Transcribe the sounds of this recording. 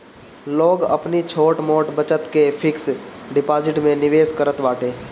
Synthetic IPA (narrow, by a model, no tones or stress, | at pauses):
loːɡɐ̰pnit͡ʃʰoːʈmoːʈbət͡ʃət̪kepʰɪksɖɪpaːd͡ʒɪʈmẽnɪʋeːskəɾət̪ʋaːʈʰeː